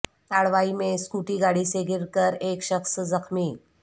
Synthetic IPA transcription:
t̪aɭʋaimeskuʈiːɡaɽiːseɡiɾkəɾekɕəksd͡zəkʰmiː

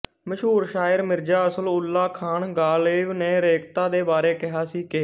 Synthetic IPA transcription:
məʃɦuːɾʃaːɪɾmɪɾd͡ʒaːəsəlʊlːaːkʰaːɳɡaːleːʋnẽːɾeːkʰt̪aːd̪eːbaːɾeːkɪɦaːsiːkɪ

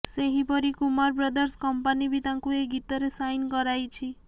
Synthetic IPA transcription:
seɦipɔɾikumaɾbɾɔd̪ɔɾskɔmpanibʱit̪ãŋkueɡit̪ɔɾesajnkɔɾajt͡ʃʰi

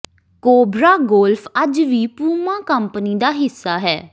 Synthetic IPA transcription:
koːbɾaːɡoːlfʰəd͡ʒʋiːpuːmãːkəmpniːd̪aːɦɪsːaːɦɛː

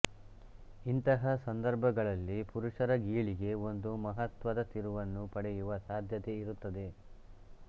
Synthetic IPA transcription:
int̪ɐɦɐsɐnd̪ɐɾbʱɐɡɐɭɐlːipuɾuʂɐɾɐɡiːɭiɡe̞o̞nd̪umɐɦɐt̪ʋɐd̪ɐt̪iɾuʋɐnːupɐɽɛjuʋɐsaːd̪ʱjɐt̪e̞iɾut̪ːɐd̪e̞

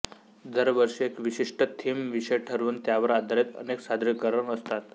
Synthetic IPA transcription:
d̪əɾʋəɾʂəekʋiɕiʂʈət̪ʰimʋiʂəjʈʰəɾuːnt̪jaʋəɾad̪ʱaɾet̪ə̰neksad̪ɾikəɾəɳəst̪at̪

